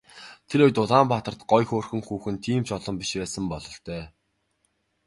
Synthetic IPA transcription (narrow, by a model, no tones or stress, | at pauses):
t̪ʰeɾʊjt̪ʊɮaːmpaːt̪ə̆r̥t̪ɢɔjxoːrxɵ̆ŋxuːxɘ̆nt̪ʰiːmt͡ɕɔɮɞ̆mpiʃpæːsə̆mpɔɮɞ̆ɬt̪ʰœː